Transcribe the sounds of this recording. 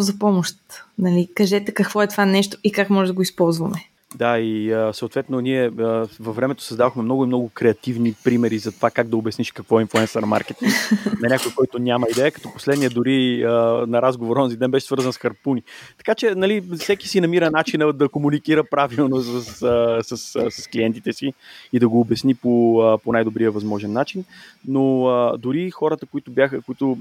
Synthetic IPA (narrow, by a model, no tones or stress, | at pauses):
zɐpɔmoʃt̪nɐlikɐʒɛt̪ɛkɐkvɔɛt̪ovanɛʃt̪o̥ikakmɔʒɛd̪ɐɡoispɔlˠzvɐmɛ | d̪aiəsɐot̪vɛt̪noniɛəvɐvːɾɛmɛt̪o̥sɐzd̪aðoxmɛmnɔɡʊimnɔɡʊkɾɛɐt̪ivnipɾimɛɾizɐt̪ovakaɡd̪ɐobʲɛsniʃkɐkvɔɛinflˠuɛnsəɾma̰ɾkɛt̪inɐnʲakojkɔjt̪onʲamɐid̪ɛəkɐ̥t̪ɔpo̥slɛd̪nijəd̪ʊɾiənɐɾazɡovoɾɔnzid̪ɛnbɛʃɛsvɤɾzɐnsxɐɾpunit̪ɐ̥kat͡ʃɛnɐlifsɛki̥sinɐmiɾənat͡ʃinəd̪ɐkomunikiɾəpɾavilˠnosəsəsəsəsɐsklijɛnt̪it̪ɛsiid̪ɐɡoːbɛsnipoəponajd̪obɾijəvɐzmɔʒɛnːat͡ʃinnoəd̪ʊɾixɔɾət̪əkoit̪ʊbʲjaxəkoit̪ʊ